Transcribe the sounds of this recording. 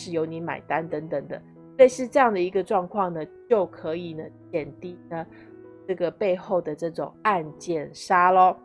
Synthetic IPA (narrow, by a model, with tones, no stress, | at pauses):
ʂɻ̩˥˩jo˧˥ʊni˧˥ma̰˨˩ɪt̪a˥nt̪ə˧˥ŋt̪ə˨˩ŋd̪ə̰˦ | swe˥˧ɪʂɻ̩˥˧ʈ͡ʂɤ˥˧jɑ˥˩ŋd̪ə˩i˧˥ɡə˧ʈ͡ʂwɑ˥˧ŋkʰwɑ˥˩ŋnə˩t͡ɕjo˥˩ʊkʰɤ˧˦˥i˨˩nə˩t͡ɕʰjɛ˨˩nt̪i˥˩nə˩ | ʈ͡ʂɤ˥˩ɡə˩pe˥˧ɪxo˥˩ʊd̪ə˩ʈ͡ʂɤ˥˩ʈ͡ʂʊ̰˨˩ŋa˥˧nt͡ɕjɛ˥˩nʂa˥lə˧